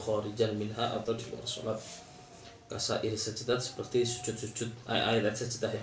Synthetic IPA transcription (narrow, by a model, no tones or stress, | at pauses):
xaːɾɪd͡ʒanmɪnɦaʔa̰t̪awdibua̰ɾaso̰lat̪̚ | kasa̰ʔiɾisəd͡ʒit̪at̪sə̥pərt̪isu̥t͡ʃʊt̪̚sut͡ʃʊt̪̚ʔa̰ʔa̰jlat̪səd͡ʒit̪aja